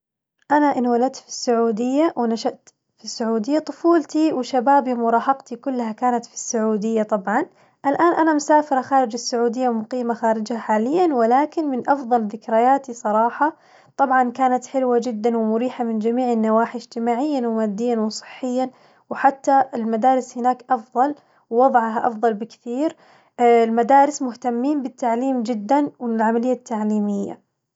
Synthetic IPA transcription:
ʔanaʔɪnwalad̪̚t̪fi̥sːʊʕuːd̪ɪjːawɪnaʃaʔt̪ | fisːʊʕuːd̪ɪjːat̪ˤʊfuːlt̪iwɪʃabaːbimʊɾˤɑːhɑqt̪ikʊlːhakaːnat̪fi̥sːʊʕuːd̪ɪjːat̪ˤɑbʕɑn | ʔalʔaːnʔanamʊsaːfɪɾˤɑxaːɾɪd͡ʒɪsːʊʕuːd̪ɪjːamʊqiːmaxaːɾɪd͡ʒhaħaːlɪjːanwɪlaːkɪnmɪnʔɑfðˤɑlðɪkɾajaːt̪isˤɑɾˤɑːħɑ | t̪ˤɑbʕɑnkaːnat̪ħɪlwad͡ʒɪd̪ːanwɪmʊɾiːħamɪnd͡ʒamiːʕɪnːawaːħɪd͡ʒt̪ɪmaːʕɪjːanwmaːd̪ːɪjːanwsˤɨ̥ħːɪjːan | wħat̪ːaɪlmad̪aːɾɪshɪnaːkʔɑfðˤɑl | wwɑðˤɑʕɦaʔɑ̰fðˤɑlbɪkθiːɾ | lmad̪aːɾɪsmʊht̪amːiːnbɪt̪ːaʕliːmd͡ʒɪd̪ːanwɪnɪlʕamalɪjːat̪ʰːaʕliːmɪjːa̰

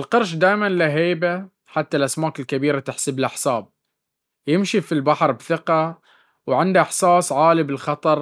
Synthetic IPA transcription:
ʔɪlqɑɾˤʃ̬d̪aːjmanlaɦeːba | ħat̪ːalʔasmaːkɪlkabiːɾat̪ɪħsɪbɪlʔaħsaːb̚ | jɪmʃifilbaħɾˤbθɪqɑ | wʕɪnd̪aʔɪħsɑːsˤʕaːlibɪlxɑt̪ˤɑɾˤ

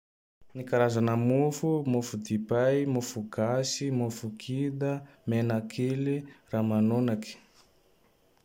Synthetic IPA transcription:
nikaɾazanəmufumufud̪ipajmufuɡasimufukʰid̪amenakʰiliramanonaki̥

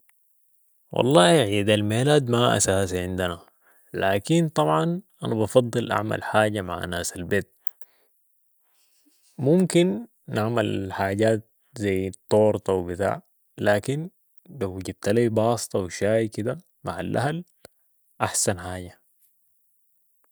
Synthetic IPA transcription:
wʔɑ̰lˤːɑːʕiːd̪almeːlaːd̪maʔa̰saːsiʕɪnd̪ana | laːkint̪ˤɑbʕɑnʔanabɑfɑd̪ˤːɨlʔa̰ʕma̰lħaːɟama̰ʕʔa̰naːsalbeːt̪̚ | mumkinː | aʕmalħaːɟaːt̪̚ | zajːt̪ˤːoːɾt̪ˤɑwbit̪a̰ːʕ | laːkin | lawːaɟad̪̚t̪aliːbɑːsɨ̥t̪ˤɑwiʃaːjkid̪a | maʕalʔa̰ɦal | ʔaħsanħaːɟa

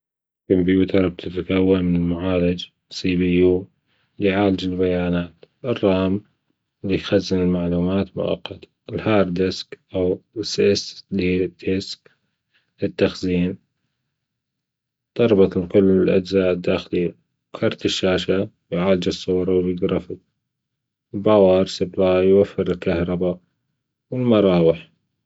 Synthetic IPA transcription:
kɪmbijut̪ɑɾˤɑb̚t̪ʰɪt̪akawːanmɪnɪlmaʕaːlad͡ʒ | siːbijuː | liʕaːlɪd͡ʒɪlbajaːnaːt̪ɨrˤːɑːm | lijxazːɪnɪlmaʕluːmaːt̪mʊ̰ʔa̰qːɑt̪ | ɪlhɑːɾˤd̪ɪskʔawɪsʔɪslit̪ɪsk̚ | lɪt̪ːaxziːn | d̪̥ˤɑɾˤbɑt̪lqʊlːɪlʔad͡ʒzaːʔd̪ːaːxli | wkʰɑɾˤt̪ɪʃːaːʃa | jʕaːld͡ʒɪsˤːʊːɾˤɑwbɪɡɾˤɑfɪ | lbawɑːɾˤsɪblaːjjwafːɪɾɪlkahɾˤɑba | wɪlmɑɾˤɑːwɪħ

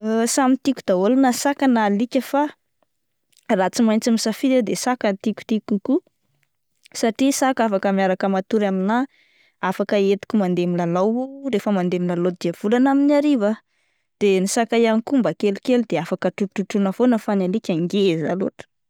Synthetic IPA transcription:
samit̪ikʲud̪̥aolanəsakənalikʲəfa | rat͡simajnt͡simisafid̪ed̪esakant̪ikʲu̥t̪ikuku | saʈ͡ʂisakafakəmjaɾakəmat̪uɾamina | afakəet̪i̥kʲumand̪emilalaworefəmand̪emilalod̪iav̥ulanaminaɾiva | d̪̥enisakajanikumbəkelukelud̪eafakəʈ͡ʂuʈ͡ʂuʈ͡ʂunəfonəfanalikʲaŋɡeza̰lo̰ʈ͡ʂə̥

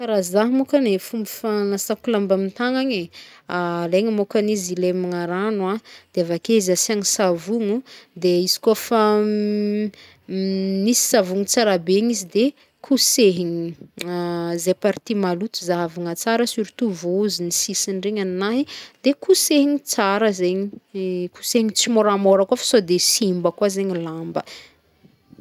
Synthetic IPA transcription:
kaɾazaɦmukanefumbifaŋasakulambamint̪aŋaɲealeɲimokanizilemaŋaɾanad̪̥eavakezasaŋisavuŋud̪eizi̥kofa | nisi̥savuŋut͡saɾabeɲizid̪e | kʰuseɦiɲi | zepaɾit̪imalut̪uzavaŋət͡saɾəsuɾit̪uvouzinisisinreɲannaɦid̪̥ekʰuseɦiɲit͡saɾəzeɲiku̥seɦiɲit͡simoɾamoɾəkafə̥sod̪esimbəkwazeɲilambə

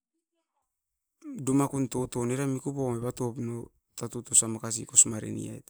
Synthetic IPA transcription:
dumakunto̞to̞neɾamikupomeβato̞pno | tatutosamakas̬ḭko̞smaɾḛnḭa̰jt

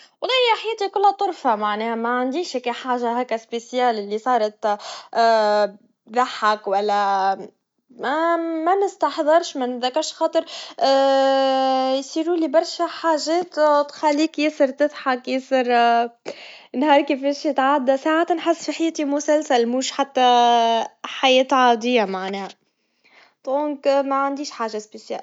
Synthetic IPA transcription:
wɑlˤːɑjaħajeːt̪ikʊlːhat̪ˤʊɾˤfaʕmaʕnɛːhamaʕand̪iːʃækaħaːʒaɦæːkaspesjaːlɪlːisˤɑːɾˤt̪ː | ðaħakwalːa | mamanɪst̪ɑħðˤɨɾˤʃmanðakːaɾʃxɑːt̪ˤɨɾˤ | jsˤiːɾuːlibɑɾˤʃaħaːʒɛːt̪t̪xalːiːkjɪsɨɾt̪ɪðˤħakjɪsɨɾ | nhɑːɾˤkefɛːʃjɪt̪ʕad̪ːasaːʕat̪nħɪsːfiħajːt̪imʊsælsælmuːʃħat̪ːa | ħajɛːt̪ʕɑːd̪ˤɪjːamaʕneːhæ | t̪ˤonkmæʕand̪iːʃħaːʒaspesja̰ːl

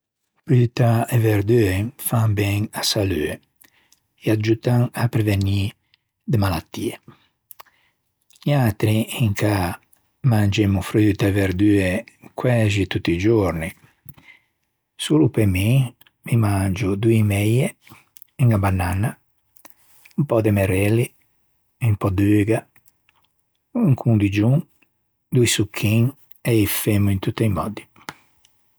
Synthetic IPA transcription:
fɾyt̪aeveɾd̪yefãŋbɛŋasalye | ead͡ʒut̪aŋapɾeveni | d̪əmalat̪ːiːe | ɲat̪ɾiiŋka | mand͡ʒemufɾyːt̪aeveɾd̪yekwɛʒit̪ut̪ːid͡ʒuɾni | sulupemi | mimand͡ʒud̪uimɛje | iŋɡabanːana | umpɔd̪emɛɾɛli | impɔd̪yɡa | uŋkʰund̪id͡ʒuŋ | d̪ujsukʰːiŋ | eifemuint̪ut̪ːiimɔd̪i̥

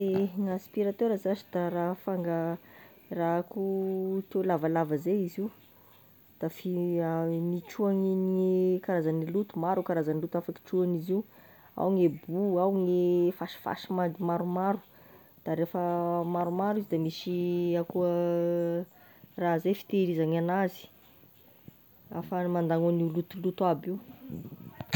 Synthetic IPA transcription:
eŋaspiɾat̪øɾəzat͡ʃi̥d̪arafaŋɡə | rakut̪ewlavalavəzeiziu | d̪̥afi | niʈ͡ʂuaŋinekaɾazanilut̪umaɾukaɾazanilut̪afaki̥ʈ͡ʂuanizi | a̰wŋebuawŋefaʃi̥fa̰ʃimad̪imaɾumaɾu̥ | d̪̥aɾefəmaɾumaɾuizd̪amisiakuə | raɦzejfi̥t̪eɾizaŋanazi̥ | afəmand̪aŋunilut̪ulut̪uabiu

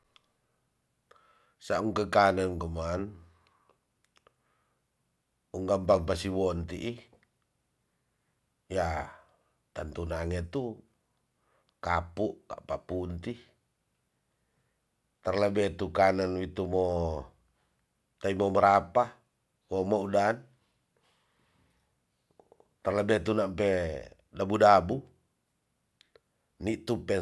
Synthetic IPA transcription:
sauŋkəkanənkɔman | uŋɡampaŋpasiwɔnt̪iʔi | ja | t̪ant̪unaŋɛt̪u | kapuʔka̰ʔpapunt̪i | t̪arlɛbɛt̪ukananwit̪umo | t̪aimoməɾapa | womoudan | t̪arlɛbɛt̪unampɛ | dabudabu | niʔt̪upɛ

